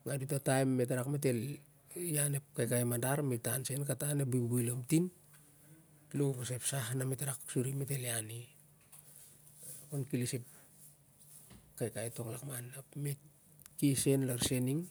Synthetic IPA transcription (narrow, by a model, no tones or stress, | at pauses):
ŋadutatajmːetaɾakmet̬e̞l | jane̞p̚kajkajmadaɾmitansenkatanep̚bubujlomtin | lubasepsahnametaɾaksuɾimete̞liani | konkilisep̚ | kajkajto̞klakmanːapmet | kise̞nlaɾseniŋ